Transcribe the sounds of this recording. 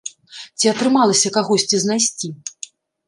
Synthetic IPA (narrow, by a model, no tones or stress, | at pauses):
t͡sʲiɐt̪ɾɨmalˠɐsʲɐkaɣɔsʲt͡sʲiznajsʲt͡sʲi